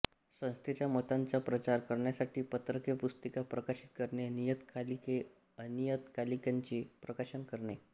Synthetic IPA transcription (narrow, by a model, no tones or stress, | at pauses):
sə̃w̃st̪ʰet͡ɕjamət̪ant͡sapɾət͡ɕaɾkəɾɳjasaʈʰiːpət̪ɾəkepust̪əkapɾəkaɕit̪̚kəɾɳenijət̪kalike | ənijət̪kalikaɲt͡ɕepɾəkaɕənkəɾɳe